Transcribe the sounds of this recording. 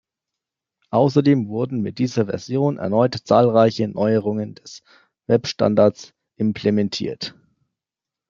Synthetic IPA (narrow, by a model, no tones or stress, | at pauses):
ʔaʊs̬ɐdeːmvʊɐdn̩mɪt̚d̥iːzɐvɛ̰ɐzjoːnʔɛ̰ɐnɔʏtt͡saːlʁaɪçənʔɔʏəʁ̞ʊŋəndɛs | vɛpʃta̰ndaɐt͡s | ʔɪmpʰlemɛntʰḭːɐt